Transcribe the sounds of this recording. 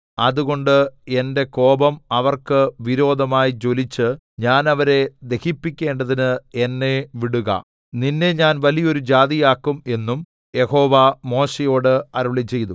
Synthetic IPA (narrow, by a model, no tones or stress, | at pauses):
ɐðuɣo̞ɳɖɨe̞nde̞ko̞ːbɐmɐʋɐrkɨʋiɾo̞ːd̪ʱɐmaːjit͡ɕo̞lit͡ɕːɨ | ɲaːnɐʋɐɾe̞d̪e̞hipːikʲːe̞ːɳɖɐðinɨe̞nːe̞ʋiɽuɣɐ̰ | ninːe̞ɲaːnʋɐlijɐo̞ɾud͡ʑaːðijaːkːume̞nːum | je̞ho̞ːʋɐmo̞ːɕejo̞ːɽɨɐɾuɭit͡ɕːe̞jt̪u